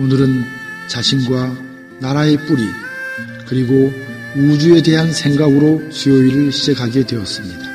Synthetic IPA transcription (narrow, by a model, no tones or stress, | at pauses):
onɯɾɯnt͡ɕaɕʰinɡwa | naɾae̞p͈uɾi | kɯɾiɡo | ud͡ʑue̞de̞ɦansʰe̞ŋɡaɡɯɾot͡ɕioiɾɯɭɕʰid͡ʑekʰaɡe̞dwe̞ʌs͈ɯmɲid̥a